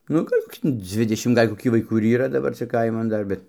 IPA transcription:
nʊ ˈɡɐlʲ koːˈkʲɪ ˈd͡zʲʋʲɪdʲɛʃʲɪm ˈɡɐlʲ koːˈkʲiː ʋɐɪˈkuː ɪr ˈiːrɐ dɐˈbɐr t͡sʲɛ ˈkɐɪmɐn ˈdɐr ˈbʲɛt

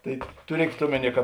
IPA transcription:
tɐɪ tʊˈrʲiɛkʲeːt ˈoːmʲɛˌnʲiɛ kɐ

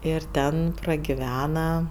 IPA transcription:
ɪr ˈtʲɛn prɐɡʲɪˈʋʲæːnɐ

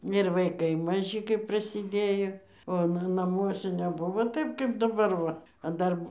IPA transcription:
ɪr ʋɐɪˈkɐɪ mɐˈʒʲɪ kɐɪp prɐsʲɪˈdʲeːjoː oː ˈnɐ nɐˈmuɔsʲɛ nʲɛˈbʊʋoː ˈtɐɪp kɐɪp dɐˈbɐr ˈʋɐ ɐ ˈdɐr

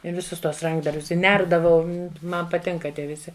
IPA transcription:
ɪ ʋʲɪˈsʊs ˈtuɔs ˈrɐŋɡdɐrʲbʲʊs ɪ ˈnʲɛrdɐʋɐʊ ˈmɐn pɐˈtʲɪŋkɐ ˈtʲiɛ ʋʲɪˈsʲɪ

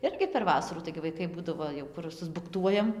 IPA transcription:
ˈɪrʲɡʲɪ pʲɛr ˈʋɑːsɐruː tɐɪɡʲɪ ʋɐɪˈkɐɪ ˈbuːdɐʋoː jɛʊ ˈkʊr sʊzbʊkˈtuɔjɛm

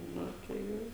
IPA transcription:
ˈnʊ tɐɪ ˈjɛʊ

